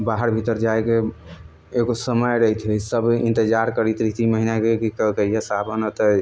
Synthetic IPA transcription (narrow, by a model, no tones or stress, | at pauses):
baɦəɾbʱit̪əɾd͡ʒaeke | eɡosəməjɾəɦt̪ʰɦesəbḭnt̪əd͡ʒaɾkəɾit̪ɾit̪iməɦinakekikəkəiesabʱənət̪ə